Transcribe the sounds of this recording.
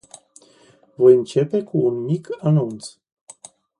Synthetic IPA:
vo̞jɨnt͡ʃe̞pe̞kuːnmikanunt̪s

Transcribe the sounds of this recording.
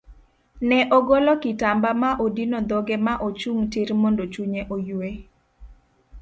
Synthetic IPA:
nɛʔoɡolɔkɪtambamaʔodinɔd̪ɔɡemaʔot͡ʃuŋtɪɾmondot͡ʃuɲeʔojwe

